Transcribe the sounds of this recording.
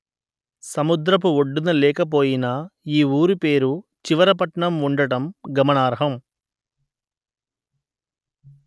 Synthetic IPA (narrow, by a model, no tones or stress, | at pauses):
sɐmud̪ɾɐp̬uoɖːunɐlɛːkɐp̬o̞ːjinɐiːuːɾupe̞ːɾut͡ʃiʋɐɾɐpɐʈɳɐmuɳɖɐɽɐmɡɐmɐɳaːɾɐɦɐm